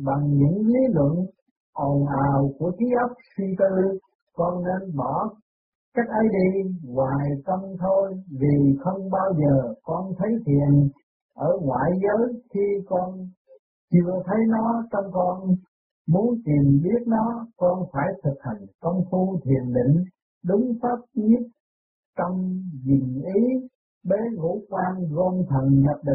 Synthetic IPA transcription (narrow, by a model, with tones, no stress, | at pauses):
ɓa˨˩ŋɲɨ̰˧˥ŋli˨˦lwə̰˧˨n | ʔɔ˨˩nʔaː˨˩wku˧˩ət̪ʰi˨˦ʔə˦˥p̚si˧t̪ɨ˧ | kɔ˧nːe˧nɓɔ˧˩ | ka˦˥jk̟̚ʔə˨˦jɗi˧ŋwaː˨˩jk̪ə˧wŋ͡mt̪ʰo˧jvi˨˩xə˧wŋ͡mɓaː˧wzəː˨˩kɔ˧nt̪ʰə˨˦jt̪ʰi˨˩ən | ʔəː˧˩ŋwa̰ː˧˨jzəː˨˦jxi˧kɔ˧n | t͡ɕɨ˧ət̪ʰə˨˦jnɔ˨˦t͡ɕə˧wŋ͡mkɔ˧n | mu˨˦ənt̪i˨˩əmɓi˦˥ət̚nɔ˨˦kɔ˧nfaː˧˩jt̪ʰɨ˨˩k̚ha˨˩jŋkə˧wŋ͡mfu˧t̪ʰi˨˩ənɗḭ̈˧˨ŋ̟ | ɗʊ˨˦ŋ͡mfaː˦˥p̚ɲɨ˦˥t̚ | t̪ə˧wŋ͡mzi˨˩ŋʔi˨˦ | ɓe˨˦ŋṵ˧˥kwaː˧nɣo˧nt̪ʰə˨˩nɲə˨˩p̚ɗï˨